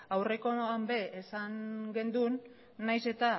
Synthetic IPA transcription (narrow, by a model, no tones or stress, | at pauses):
awre̞ko̞ambe̞esaŋɡe̞nd̪unː | ajse̞t̪a